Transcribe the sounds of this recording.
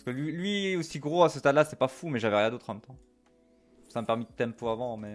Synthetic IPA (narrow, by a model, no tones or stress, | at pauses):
pasə̥kəlɥilɥiosiɡʁoasəst̪ad̪laset̪ɛpafumɛʒavɛʁjɛ̃d̪ot̪χmɛ̃mt̪ɑ̃ | saməpɛʁmid̪ət̪ɛmpøavɑ̃mɛ